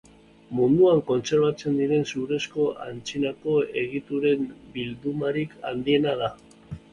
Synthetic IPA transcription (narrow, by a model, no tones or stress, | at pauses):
mund̪uaŋko̞nse̞ɾβat͡se̞nd̪iɾe̞nsuɾe̞sko̞ʔa̰nt͡sinako̞e̞ɣit̪uɾe̞mbild̪umaɾika̰nd̪ie̞nað̞a